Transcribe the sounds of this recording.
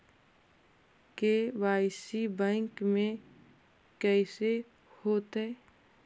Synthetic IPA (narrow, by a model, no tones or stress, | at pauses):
kewaːɪsibɛ̃ːŋkmẽ | kɛɪse | hoːt̪ɛ